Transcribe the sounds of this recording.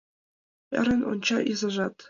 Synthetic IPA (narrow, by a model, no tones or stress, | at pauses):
ɘ̰̆ɾʲɘ̆no̰nt͡ɕɑʔizɤ̆ʐɑt̪